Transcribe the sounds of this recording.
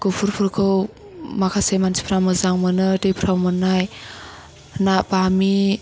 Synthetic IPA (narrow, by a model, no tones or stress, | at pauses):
kopʰuɾpʰuɾkʰɯw | makʰasejmansʰi̥pʰɾawmɯzaŋmɯnɯtejpʰɾawmɯnaj | napami